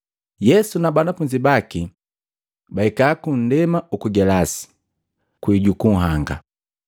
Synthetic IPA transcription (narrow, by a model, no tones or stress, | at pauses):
jɛsunabanafuɲd͡ʒibaki | baikaːkun̩dɛmaukuɡɛlasi̥ | kwiɟukuŋ̩ɦaŋɡa̰